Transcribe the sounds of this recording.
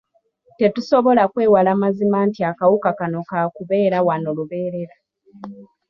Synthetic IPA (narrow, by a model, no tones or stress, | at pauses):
te̞tuso̞βo̞lakwe̞ːwalaːmazimaːntiakawukakano̞kakuβe̞ːɾawanoluβe̞ːɾe̞ɾa